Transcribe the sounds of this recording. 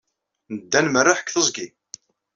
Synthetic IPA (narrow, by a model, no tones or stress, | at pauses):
nəd̪ːænmərːaħə̥kθəzˤɡi